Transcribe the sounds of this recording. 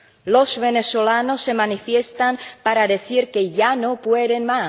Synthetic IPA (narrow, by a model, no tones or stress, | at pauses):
lozβe̞nesolanosːe̞manifjest̪ampaɾaðeθiɾkeʝanopweðenma